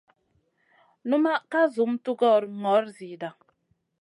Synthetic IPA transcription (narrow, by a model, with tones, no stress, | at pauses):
nu˦ma˦ka˦zu˨˦mtu˦ɡɔ˦˨ɾŋɔ˨˦ɾzi˨da˨ŋ